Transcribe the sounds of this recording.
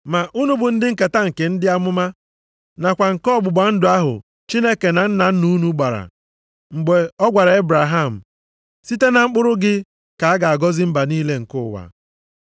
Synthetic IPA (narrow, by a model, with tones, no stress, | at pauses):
ma˨ʔu˦nu˦bʊ˨n̩˦dɪ˦ŋ̩˦ke˨ta˦ŋ̩˨ke˨n̩˦dɪ˦a˦mʊ˦ma˦ | na˨kʷa˨ŋ̩˨kɔ˦˨ɡ͡bʊ˨ɡ͡ba˨n̩˦dʊ˨˦a˦ɦʊ̰˨ | t͡ʃi˦ne˦ke˨na˨n̩˦na˨n̩˦nu˦nu˦ɡ͡ba˨ɾa̰˨ | ŋ͡m̩˨ɡ͡be˨ɔ˦ɡʷa˨ɾa˨e˦bɾa˨ɦa˦˨m̩˨ | si˦te˦na˨ŋ͡m̩˦k͡pʊ˦ɾʊ˦ɡɪ˦ | ka˨a˦ɡa˨a˨ɡɔ˦zɪ˦m̩˦ba˨niː˦le˦ŋ̩˨kʊ˦˨wa̰˨